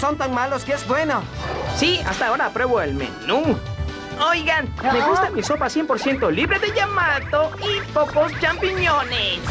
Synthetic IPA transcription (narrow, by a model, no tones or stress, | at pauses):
so̞nt̪aŋmaloskeezbwe̞no | sia̰st̪aːoɾaːpɾwe̞βoelmḛnu | ojɣanmeust̪amiso̞pasje̞mpoɾsje̞nt̪o̞liβɾeðeʝamat̪oipokost͡ʃampiɲones